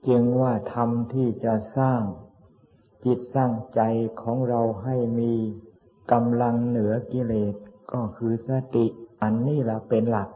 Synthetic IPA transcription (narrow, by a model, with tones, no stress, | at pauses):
t͡ɕi˧ŋwaː˥˩t̪ʰa˧mt̪ʰiː˥˩t͡ɕa˨˩saː˥˩ŋ | t͡ɕi˨˩t̪̚saː˥˩ŋt͡ɕa˧jkʰɔː˩˦ŋɾa˧wɦa˥˩jmiː˧ | ka˧mla˧ŋnɯ˩˦ɐki˧leː˨˩t̪̚kɔː˥˩kʰɯː˧sa˧t̪i˨˩ʔʔa˧nːiː˥˩lɛ˨˩˦pe˧nla˨˩k̚